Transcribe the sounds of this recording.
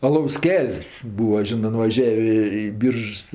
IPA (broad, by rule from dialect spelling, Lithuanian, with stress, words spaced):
ɐˈlˠɐʊs ˈkʲɛlʲsʲ ˈbuːɐ ˈʒʲɪnɜ nʊʋɐˈʒʲæːʋʲeː ɪ ˈbʲiːrʃs